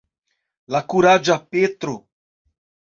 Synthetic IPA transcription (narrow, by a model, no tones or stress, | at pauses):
lakuɾad͡ʒapet̪ɾʊ